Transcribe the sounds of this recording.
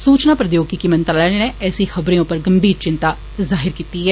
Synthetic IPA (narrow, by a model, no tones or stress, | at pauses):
suːt͡ʃnaːpɾəd̪joːɡ̚kikɪmənt̪ɾːlɛːenɛ̃ɛːsiːxəbɾẽːʊpːəɾɡəmbiːɾt͡ʃɪnt̪aː | zaːɦɪɾkiːt̪iːɦɛː